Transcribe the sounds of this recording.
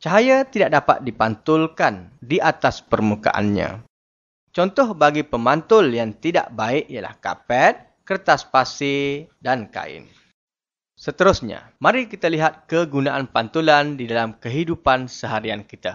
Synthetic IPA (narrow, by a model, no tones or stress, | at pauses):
t͡ʃaɦajat̪idaʔ̚dapa̰t̪̚dipant̪ʊlkandiʔat̪aspərmuka̰ʔa̰nɲã̰ | t͡ʃɔnt̪ɔhbaɡipəmant̪ʊljaŋt̪ida̰ʔbaɪʔijala̰hka̰pɛt̪̚ | kərt̪aspasɪdanka̰ɪ̰n | sət̪əɾʊsɲa̰mãɾikit̪aliɦat̪̚kəɡunaʔanpant̪ulandidalamkəɦidupansəɦaɾiankit̪a